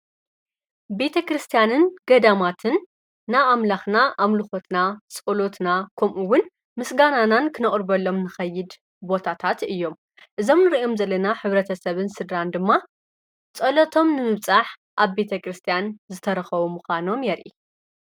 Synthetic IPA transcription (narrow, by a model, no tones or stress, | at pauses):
be̞t̪ʰɐkɾɨst̪ʰijanɨnɡɐd̪amat̪ʰɨnː | aamlaxnaʔamlɨxo̞t̪nat͡sʼulo̞t̪nakʰɐmʔuwʊn | mɨsɡananankʰɨnɐχʼɾbɐlːo̞mnɨxɐjːɪd̪ | bo̞t̪ʰat̪ʰat̪ɨjːo̞m | ʔɨzo̞mnɨɾiʔo̞mzɐlɐnaħɨβɾɐt̪ʰɐsɐβɨnsɨd̪ɾand̪ɨmːa | t͡sʼɐlot̪ʰo̞mnɨmɨβt͡sʼaħ | ʔaβbe̞t̪ʰɐkɾɨst̪ʰijanzɨt̪ʰɐɾɐxɐβumuxʷano̞mjɛɾʔi